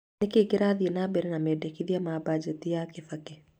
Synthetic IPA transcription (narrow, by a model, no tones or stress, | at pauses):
nɪkɪkɪɾaðenabeɾɛnamedekiðiamabad͡ʒet̪ijakɪfake